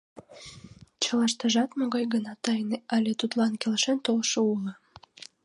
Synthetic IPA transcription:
t͡ɕəlɑʃt̪əʒɑt̪moɣɑjɣənɑt̪ɑjneɑlʲet̪ut̪lɑnkʲelʃent̪olʃəulə

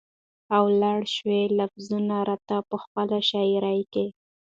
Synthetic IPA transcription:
awlɑɽʃwelafzunaɾat̪apəxpəlaʃɑjiɾajke

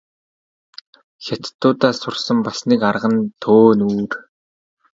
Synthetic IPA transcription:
xʲat̪t̪ːʊːt̪aːsʊrsə̆mpasniːkarʁə̆nt̪ʰoːnuːr

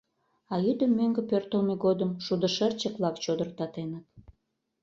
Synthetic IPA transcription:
ɑjyd̪əmːøŋɡə̆pørt̪əlmeɣod̪əmʃud̪əʃərt͡ɕəkβlɑkt͡ɕod̪ər̚t̪ɑt̪enət̪̚

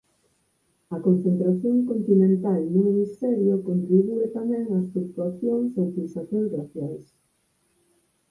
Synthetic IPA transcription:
ɐkonθent̪ɾaθjoŋkont̪inẽnt̪alnumimist̪ɛɾjokont̪ɾiβuet̪amɛ̃ŋast̪ɾuk̚t̪uaθjoŋseŋfilsaθjõŋsraθjals

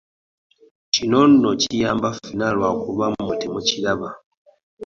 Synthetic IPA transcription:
t͡ʃinonnot͡ʃijambafinalwakuβamumutɛmut͡ʃilaβa

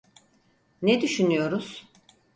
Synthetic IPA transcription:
nɛd̪yʃynyjo̞ɾuz̥

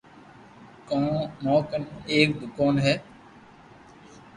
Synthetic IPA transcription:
kõːnɔ̃ːkəneːk̚bkoːnɦɛː

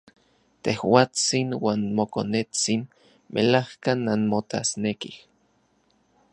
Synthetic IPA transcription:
t̪ehwaːt͡sinwaːnmokonet͡sin | mʔelahkanːanmot̪a̰snekih

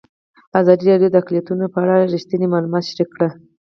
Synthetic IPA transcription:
azɑd̪iɾɑɖjod̪əaklijat̪unapəaɽaɾiʃt̪ənimɑlumɑt̪ʃɾikːɽə

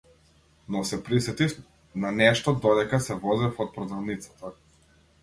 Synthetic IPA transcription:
nɔsɛpɾisɛt̪if | nanɛʃt̪ɔd̪ɔd̪ɛkasɛvɔzɛfɔt̪̚pɾɔd̪avnit̪sat̪a

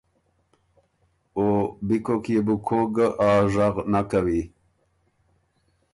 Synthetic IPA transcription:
obikokjebukʰoɡaʔaːʐaɣnakawi

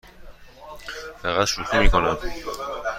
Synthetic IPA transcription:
fæɣæt̪ʃut̪ʰumiːkʰonæm

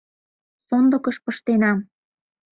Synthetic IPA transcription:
sond̪ɤ̆kə̆ʃpə̆ʃt̪enɑm

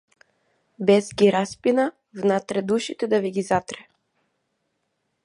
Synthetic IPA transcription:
bɛzɡʲiɾaspina | vnat̪ɾɛd̪uʃit̪ɛd̪aviɡizat̪ɾɛ

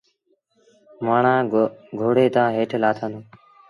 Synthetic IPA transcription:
maːɳãːɡʱoːɽeːt̪ãːɦeːʈʰlaːt̪ʰãːnd̪oː

